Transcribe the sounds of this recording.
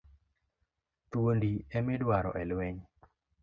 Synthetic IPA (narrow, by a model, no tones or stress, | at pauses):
t̪uwondiɛmɪdwaɾɔ̰ʔɛlweɲ